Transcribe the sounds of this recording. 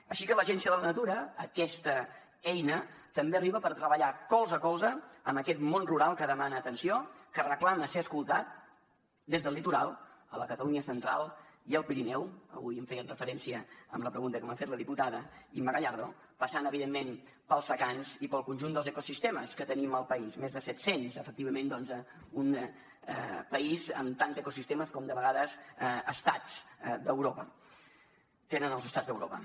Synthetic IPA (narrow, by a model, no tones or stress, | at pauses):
əʃikələʒɛnsiəðələnət̪uɾəəkɛst̪ə | ɛjnət̪əmbeəriβəpəɾt̪ɾəβəʎakɔlˠzəkɔlˠzəːməkɛt̪monruɾalˠkəðəmanəːt̪ənsiokərəklaməseəskulˠt̪at̪̚ | d̪ezðəlit̪uɾa̰lˠələkət̪əluɲəsənt̪ɾa̰lˠiəlˠpiɾinɛwə̰βujəɱfɛjənrəfəɾɛnsiəə̰mləpɾəɣunt̪əkəmafet̪ləðiput̪aðəiməɣəʎaɾðo̰ | pəsanəβiðemːen | pəlˠzβəkanzipəlˠkunʲʒund̪əlˠzəkusist̪eməskət̪əniməlˠpəizmezðəsɛt̪senzəfək̚t̪iβəmẽnd̪ɔnzə | un | pəizə̰mt̪anzəkusist̪eməskɔmd̪əβəɣaðəzəst̪a̰d͡zd̪əwɾopə | t̪enənəlˠzəst̪ad͡zd̪əwɾo̰pə